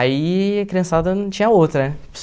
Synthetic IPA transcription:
aiɐkɾiɐ̃sad̪ɐñt͡ʃĩɲɐowt̪ɾɐ | s

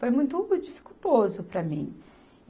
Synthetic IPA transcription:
fojmũj̃t̪ʊd͡ʒifi̥kut̪ozʊpɾɐmḭ̃

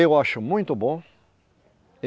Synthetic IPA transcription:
ewaʃʊmũj̃t̪ʊbõ | e

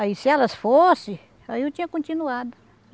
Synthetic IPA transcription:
aisɪɛlɐsfosɪ̃ | aiot͡ʃĩɲɐkõnt͡ʃĩnuad̪ʊ

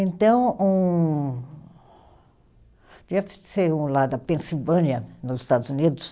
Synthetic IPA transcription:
ẽnt̪ɐ̃w̃ũ | d͡ʒiɛfseɾũlad̪ɐpẽsilvɐ̃niɐnʊzɪst̪ad̪ʊzunid̪ʊs

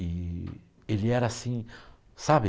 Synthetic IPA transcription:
ɪ | elɪɛɾɐasĩ | sabɪ

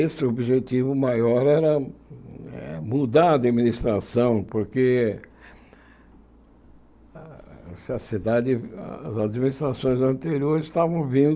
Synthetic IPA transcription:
esɪobiʒet̪ivʊmajɔɾɛɾɐ | ɛ̰mud̪aɾɐd̪iminist̪ɾasɐ̃w̃poɾke | sɪɐsid̪ad̪ɪ̰zad̪minist̪ɾasõj̃zɐ̃nt̪eɾioɾɪst̪avɐ̃w̃vĩnd̪

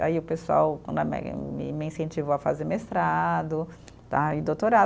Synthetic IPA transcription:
a̰iʊpesua̰wkɐ̰̃d̪ɐmɛ̰m̰mɪĩsẽt͡ʃivoɐfazeɾmest̪ɾad̪ʊ | t̪aɪd̪ot̪oɾa

